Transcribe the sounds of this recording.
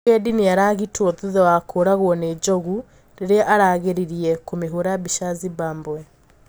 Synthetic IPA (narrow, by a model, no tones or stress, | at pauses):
ediniaɾaɣitʰoðuðawakʰoɾaɣwɔned͡ʒɔɣu | ɾeɾeʔaɾaːɣeɾiɾiɛkomeɦoɾaβiʃaziβaːmbwɛ